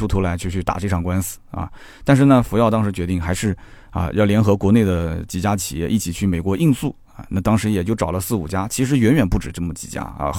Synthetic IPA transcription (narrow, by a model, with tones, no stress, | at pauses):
u˥t̪ʰu˧˥la˧˥ɪt͡ɕʰy˥˧t͡ɕʰy˥˩t̪a̰˨˩ʈ͡ʂɤ˥˩ʈ͡ʂʰɑ˨˩ŋkwa˥ns̩˨˩ɐ̰˧˩t̪a˥˧nʂ̬ɻ̩˥˩nə˩fu˧˥jɑ˥˩ʊt̪̬ɑ˥ŋʂɻ̩˧˥t͡ɕɥɛ˧˥i˥˩ŋxa˧˥ɪʂɻ̩˥˩ | ɐ̰˧jɑ˥˩ʊljɛ˧˥nxɤ˧˥kwɔ˧˥ne˥˩ɪd̪ə˩t͡ɕi˨˩t͡ɕja˥t͡ɕʰi̥̰˨˩jɛ˥˧ʔi˥˩t͡ɕʰi˨˩t͡ɕʰy˥˩me˨˩ɪkwɔ˧˥ʔi˥˧nsu˥˩ | ɐ̰˧˩na˥˩t̪ɑ˥ŋʂɻ̩˧˥jɛ˨˩t͡ɕjo˥˩ʊʈ͡ʂɑ˨˩ʊlə˦sɹ̩˥˩u˨˩t͡ɕja˥t͡ɕʰi˧˥ʂɻ̩˧˥ɥɛ˧˥nɥɛ˨˩npu˥˩ʈ͡ʂɻ̩˨˩ʈ͡ʂɤ˥˩mə˩t͡ɕi̥̰˨˩t͡ɕja̰˥ɐ̰˧